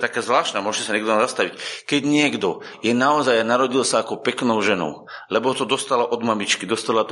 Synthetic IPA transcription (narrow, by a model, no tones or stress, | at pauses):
t̪akaːzʋlaːʃt̪naːmʊɔʒɛcɛsaɲɛɡd̪ɔnazast̪aʋickɛɟɲɪɛɡd̪ɔ | jɛnaɔzajanaɾɔɟilsaːkɔpɛknɔʊʒɛnɔ̰ʊlɛbɔɦɔt̪ɔd̪ɔst̪alaʔɔd̪mamit͡ʃkid̪ɔst̪alat̪ɔ